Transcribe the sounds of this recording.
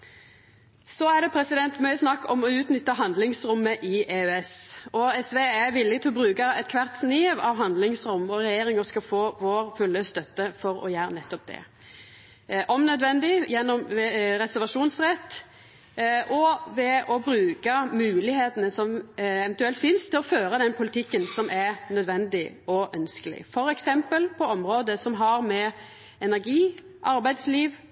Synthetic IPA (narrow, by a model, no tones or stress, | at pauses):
sɔæd̪ɛpʰɾɛsɪd̪ɛnt̪mœʏəsnɑkːɔmɔʉːt̪nʏt̪ːəɦɑnd̪lɪŋsɾʊmːəʔɪʔeːʉɛsɔɛsʋeːæʋɪlːɪɡt̪ʰɪlɔbɾʉːkəɛt̪kʰʋæʁt̪sniːʋɑʋɦɑnd̪lɪŋsɾʊmʋɔɾɛjeːɾɪŋəskɑfoːʋoːɾfʉlːəst̪œt̪ːəfɔɾɔ̰jæːɾənɛt̪ːɔp̚d̪ɛ̰ | ʔɔmnœd̪ʋɛnd̪ɪjɛnːɔmʋɛɾɛsæɾʋɑʂuːnsɾɛt̪ː | ʔɔʋɛɔbɾʉːkəmʉːlɪheːt̪ənəsɔmɛvɛnt̪ʉɛlt̪fɪnst̪ʰɪlɔføːɾəd̪ɛnpʰʊlɪt̪ɪkːənsɔmʔæɾnœd̪ʋɛnd̪ɪ | ɔʔœnskəlɪ̰fɔɾɛksɛmpəlpʰɔɔmɾoːd̪əsɔmɦɑɾmɛ | ɛnæɾɡiːʔɑɾbæɪd̪sliːʋ